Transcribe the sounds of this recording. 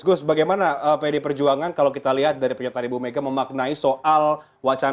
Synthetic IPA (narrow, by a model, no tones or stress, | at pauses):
ɡʊsbaɡajmanaəpajadipərd͡ʒuaŋankalowkit̪aliɦat̪̚daɾipəɲat̪aibumeɡaməmak̚naisoʔal | wat͡ʃa